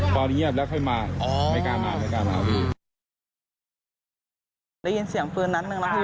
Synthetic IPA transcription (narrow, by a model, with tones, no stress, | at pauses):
t̪ɔː˧n˧˦i˦˥˩ət̪̚lɛ˦˥kʰɔ˥˩jmaː˧ma˧˩jkaː˧maː˨˧ma˧˩jkaː˧ma˧a̰ː˨˩˦du˧˩ | daː˥˩ji˧nsi˨˩˦əŋpɯː˧nːa˦˥t̪̚nɯ˧ŋnɔ˦˥kʰː